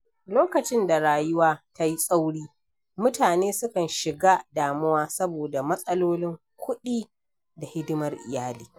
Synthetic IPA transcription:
loː˦kɐ˨t͡ʃɪ˦nda˨ɽaː˨jʊ˦waː˦ta˦ji˦sʼa˦wɽiː˦ | mʊ˦taː˨neː˦sʊ˦kɐ˨nʃɪ˨ɡa˦daː˨mʊ˦waː˦sɐ˦boː˨da˨mɐ˦sʼɐ˦loː˦lɪ˦ŋ | kʷʰʊ˦ɗiː˦ | da˨hɪ˦dʊ˦mɐ˦rʔɪ̰˨jaː˦liː˦

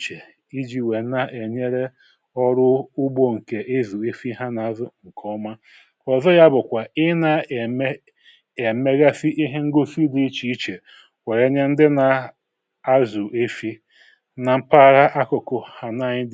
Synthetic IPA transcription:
t͡ʃe˨ | i˦d͡ʒi˨we˨˦na˨ʔe˨ɲe˦ɾe˦ | ɔ˦ɾʊ˦ʊ˦ɡ͡bo˨ŋ̩˨ke˨ʔe˦zu˨e˦fi˦ɦa˦na˨a˨˦zʊ˦ŋ̩˨kʰɔ˦ma˦ | ɔ˨zɔ˦ja˦bʊ˨kʷa˨ɪ˦na˨˦ | e˨me˦ɣa˦fi˦ʔi˦ɦe˦ŋ̩˦ɡo˦fi˦di˦i˦t͡ʃi˨˦i˦t͡ʃe˨ | we˨ɾe˦ɲe˦n̩˦dɪ˦na˨ | a˦zu˨ʔe˦fi˦ | na˨m̩˦pa˦˨ɾa˦ʔa˦kʊ˨kʊ˨ha˨na˦˨ɲɪ˦d

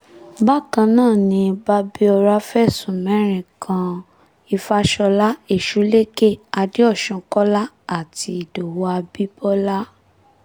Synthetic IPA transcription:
ba˦˨kã˧nãː˦˨nĩ˧ba˦bi˦ɔ˧ɾa˦fɛ˦˨sũ˨mɛ̃˨˦ɾ̃ĩ˨kʰã˧ | i˧fa˦ʃɔ˧la˦e˦˨ʃu˨˦le˦ke˦˨a˧de˦ɔ˦˨ʃũ˧kɔ˦la˦ | a˦˨ti˧i˨do˨wo˨˦a˧bi˦bɔ˦la˦

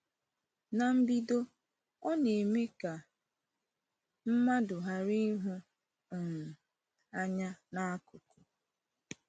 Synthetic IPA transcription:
na˨m̩˦bi˦do˦ | ɔ˦ne˨me˦ka˨ | m̩˦ma˦dʊ˨ɦa˨ɾi˦ɦu˦˨ | m̩˨ | a˦ɲa˦na˦a˦kʊ˨kʊ˨

